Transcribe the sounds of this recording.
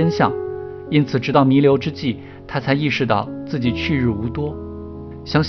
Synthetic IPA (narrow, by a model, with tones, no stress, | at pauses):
ɛ˥nɕjɑ̰˥˩ŋ | i˥nt͡sʰɹ̩˨˩ʈ͡ʂɻ̩˧˥t̪ɑ˥˩ʊmi˧˥ljo˧˥ʊʈ͡ʂɻ̩˥t͡ɕi˥˩ | t̪ʰa˥t͡sʰa˧˥ɪi˥˧ʂɻ̩˥˧t̪ɑ̰˥˧ʊt͡sɹ̩˥˩t͡ɕi˨˩t͡ɕʰy˥˧ɻɻ̩˥˩u˧˥t̪wɔ˥ | ɕjɑ˥ŋɕ